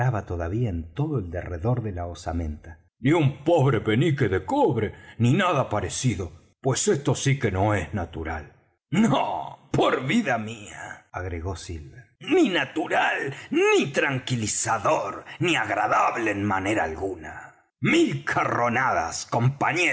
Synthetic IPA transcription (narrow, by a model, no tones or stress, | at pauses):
aβat̪oðaβiaent̪o̞ðoeld̪ereðo̞ɾðe̞laosamẽnt̪a | niumpoβɾepe̞nikeðekoβɾeninaðapaɾesiðo̞ | pwesest̪o̞sike̞noeznat̪uɾa̰l | nopoɾβiðamiaaɣɾeɣo̞silβeninat̪uɾalnit̪ɾaŋkilisaðoɾniaɣɾaðaβleːnmane̞ɾaːlɣuna | milkʰaro̞naða̰sko̞mpaɲe